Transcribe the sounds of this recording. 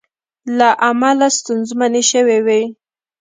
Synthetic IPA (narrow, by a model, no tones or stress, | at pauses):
laʔamalast̪unzmaneʃəwewe